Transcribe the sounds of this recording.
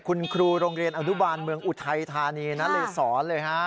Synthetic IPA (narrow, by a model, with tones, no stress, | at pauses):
kʰu˧nkʰɾuː˧ɾoː˧ŋɾi˧ənʔa˧nu˦˥baː˧nmɯ˧əŋʔu˨˩t̪ʰa˧jt̪ʰaː˧niː˧na˦˥lɤː˧sɔː˩˦nlɤː˧jkʰa˦˥